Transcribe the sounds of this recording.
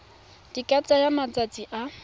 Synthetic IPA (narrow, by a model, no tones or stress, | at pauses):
dikʼat͡sʼajamat͡sʼat͡sʼiʔa